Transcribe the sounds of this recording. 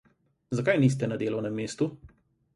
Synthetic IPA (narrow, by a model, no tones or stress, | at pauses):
zakajniːs̬t̪ɛnɐd̪eːlɔwnɛmːeːst̪u